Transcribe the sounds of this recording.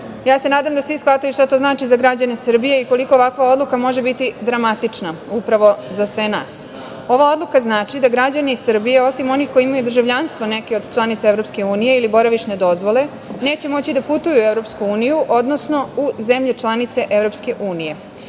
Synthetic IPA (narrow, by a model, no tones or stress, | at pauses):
jaːse̞naːd̪amd̪asʋisxʋat̪ajuʃt̪at̪oznaːt͡ʃizaɡɾad͡ʑanesr̩bije̞iko̞liko̞ːʋakʋao̞d̪lˠukamo̞ʒe̞bit̪id̪ɾamat̪it͡ʂnaupɾaʋo̞zasʋe̞naːs | o̞ʋao̞d̪lˠukaznaːt͡ʃid̪aɡɾad͡ʑanisr̩bijeo̞simo̞nixkoiimajud̪r̩ʒaʋʎanst̪ʋo̞ne̞keo̞d̪t͡ʃlˠanit̪saeɾopske̞uːnije̞ilibo̞ɾaʋiʃned̪o̞zʋo̞le̞ | ne̞ːt͡ɕe̞mo̞t͡ɕid̪aput̪ujuevɾo̞pskuuːnijuʔo̞d̪no̞sno̞uzemʎet͡ʃlˠanit̪se̞ʔevɾo̞pske̞ʔuːnije̞